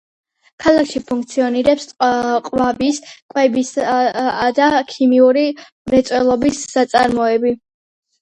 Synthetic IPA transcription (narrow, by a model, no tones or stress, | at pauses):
kʰalˠakʰʃipʰuŋk̚t̪sʰiɔniɾɛpsqʼvabiskʼwɛbis | d̪akʰimiuɾi | mɾɛt̪sʼwɛlˠɔbisːat̪sʼa̰ɾmɔɛbi